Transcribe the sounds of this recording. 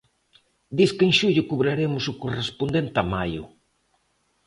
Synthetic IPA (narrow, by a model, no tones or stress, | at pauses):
d̪iskeŋʃuʎʊkuβɾaɾemʊsʊkorespond̪ent̪amajʊ̰